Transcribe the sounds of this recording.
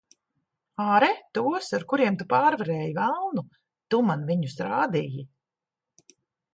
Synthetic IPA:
aːɾɛt̪uɔsaɾkuɾiɛmt̪upaːɾvaɾɛːjivalˠnu | t̪umanviɲusɾaːd̪iji

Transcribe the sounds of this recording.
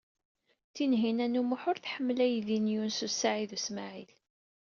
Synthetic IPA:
θinɦinænumʊħʊɾθħəmːlæjðinjunsusːaʕiðusmaʕil

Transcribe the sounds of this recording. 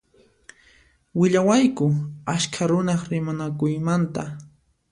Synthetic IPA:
wɪʎawajkʊaʃkʰaɾʊnaχɾɪmanakʊjmant̪a

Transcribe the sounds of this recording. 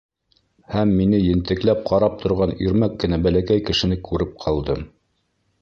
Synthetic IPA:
hæmːinɘjɘ̆nt̪ɘ̆klæp̚qʰɑɾɑp̚t̪ʰŏɾʁɑnɵɾmækːɘ̆næbælækæjkɘ̆ʃɘ̆nɘkʉɾɘp̚qʰɑlˠd̪ɤm

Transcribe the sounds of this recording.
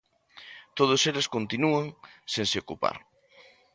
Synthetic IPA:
t̪oðoselɪskont̪inuaŋsenseɪokupa̰ɾ

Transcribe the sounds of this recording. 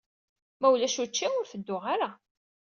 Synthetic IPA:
mæwlæʃut͡ʃːiʊɾfəd̪ːʊʁaɾa

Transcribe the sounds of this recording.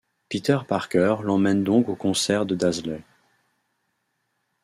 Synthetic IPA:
pit̪œʁpaʁkœʁlɑ̃mɛnd̪ɔ̃kokɔ̃sɛʁd̪əd̪azlɛ

